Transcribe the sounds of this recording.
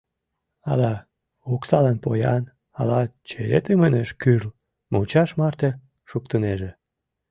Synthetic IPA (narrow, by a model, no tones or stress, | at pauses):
ɑ̰lɑ | oksɑlɑnpojɑn | ɑlɑt͡ɕeɾet̪əməneʃkyrl | mot͡ɕɑʃmɑrt̪e | ʃuk̚t̪əneʒe